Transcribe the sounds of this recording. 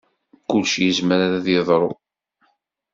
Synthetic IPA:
kʊlʃjizməɾaɾaðjeðˤɾˤo̰

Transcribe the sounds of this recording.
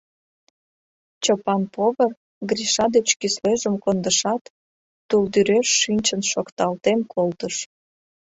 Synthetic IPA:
t͡ɕopɑnpoβər | ɡriʃɑd̪et͡ɕkysleʒəmkond̪əʃɑt̪ː | uld̪yɾeʃːynʲt͡ɕənʃokt̪ɑlt̪emkʰolt̪əʃ

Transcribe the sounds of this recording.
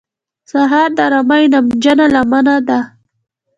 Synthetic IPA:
saɦɑɾd̪aɾamajnamd͡ʒanalamanad̪a

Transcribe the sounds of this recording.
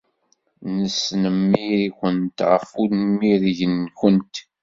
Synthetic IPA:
nəsnəmːiɾikʷənt̪ʁəfunmiɾʝənçənt̪

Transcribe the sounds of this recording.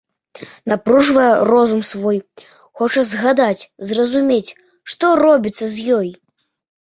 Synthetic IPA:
napɾuʐvɐjɛrɔzumsvɔj | xɔt͡ʂɐzɣad̪at͡sʲzrɐzumʲet͡sʲ | ʂt̪ɔrɔbʲit̪sːɐzjɔj

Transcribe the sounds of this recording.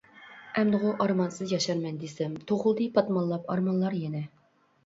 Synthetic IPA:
ɛmd̪ɨʁʊʔɑɾmɑnsɨzjɑʃɑɾmɛnd̪esɛmt̪ʰoʁʊlˠd̪ɨpʰɑt̪mɑlːˠɑpɑ̰ɾmɑnlˠɑɾjɛnɛ

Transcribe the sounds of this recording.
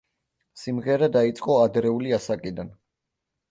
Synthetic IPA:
simʁɛɾad̪ait̪sʼqʼɔad̪ɾɛuliasakʼid̪an

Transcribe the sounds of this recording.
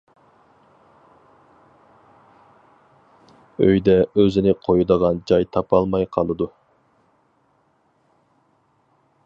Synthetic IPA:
øjd̪ɛøzɪnɪqʰojud̪əʁɑnd͡ʒɑjt̪ʰɑpʰɑlˠmɑjqʰɑlˠɨd̪u

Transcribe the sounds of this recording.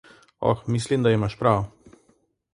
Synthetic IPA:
ɔ̰xmislimd̪aimaʃpɾaw

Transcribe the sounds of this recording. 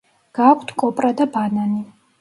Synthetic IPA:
ɡ̥akʷʰt̪ʰkʼɔpʼɾad̪abanani

